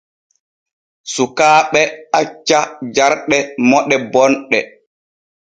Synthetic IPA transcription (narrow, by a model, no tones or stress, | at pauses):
sukaːɓɛat͡ʃːad͡ʒaɾɗɛmɔɗɛbɔnɗɛ